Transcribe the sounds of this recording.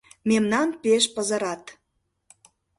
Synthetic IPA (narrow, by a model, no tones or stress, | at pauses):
memnɑnpeʃpəzə̆ɾɑt̪